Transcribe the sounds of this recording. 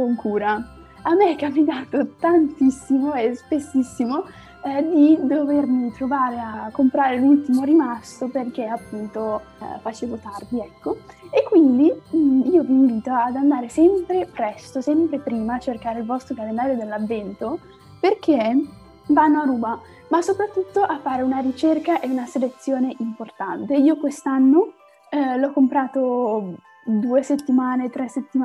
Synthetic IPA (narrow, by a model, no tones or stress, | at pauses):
koŋkuːɾa | amːeɛkːavid̪aːt̪ot̪ant̪isːimoespesːisːimo | d̪id̪overmit̪ɾovaːɾeakːompɾaːɾelult̪imoɾimasoperk̟eapːunt̪ofat͡ʃeːvot̪ard̪iɛkːo | ekːwind̪iiːoviːɱviːt̪oad̪and̪aːɾesɛmpɾepɾɛst̪osɛmpɾepɾiːmaːt͡ʃːerkaːɾeilvɔst̪ɾokalend̪aːɾjod̪elːavːɛnt̪o | perk̟e | vanːoaruːba | masːopɾat̪ːut̪ːoʔafːaːɾeunaɾit͡ʃerkaʔeunaselet̪sːjoːneʔimport̪ant̪eiːokwest̪anːo | lɔkːompɾaːt̪o | d̪uːeset̪ːimaːnet̪ɾɛsːet̪ːim